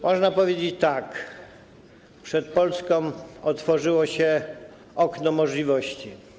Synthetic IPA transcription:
mʔɔʐnapɔvʲjed͡ʑet͡ɕt̪ak | pʂɛt̪̚pɔlskɔ̃mɔt̪fɔʐɘwɔɕɛ | ɔknɔmɔʐlʲivɔɕt͡ɕi

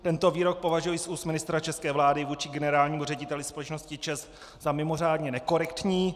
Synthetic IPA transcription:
t̪ɛnt̪o̞viːɾo̞k̚po̞vaʒujɪsʔuːst̪mɪnɪst̪ɾat͡ʃɛskɛːvlaːdɪvuːt͡ʃɪɡɛnɛɾaːlɲiːmurɛɟɪt̪ɛlɪspo̞lɛt͡ʃno̞scɪt͡ʃɛs | zamɪmo̞r̝aːdɲɛnɛko̞ɾɛkt̪ɲiː

